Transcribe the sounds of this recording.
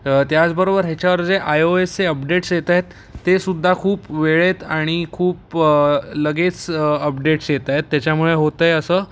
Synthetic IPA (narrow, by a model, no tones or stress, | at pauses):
t̪jat͡sbəɾobəɾɦet͡ɕaʋəɾd͡zeʔajoeseəpɖeʈsjet̪aɦet̪ː | esud̪ʱːakʰuːpʋeɭet̪aɽ̃ikʰuːp̚ | ləɡet͡səpɖeʈsjet̪ajet̪ːjat͡ɕamuɭeɦot̪əjəsəː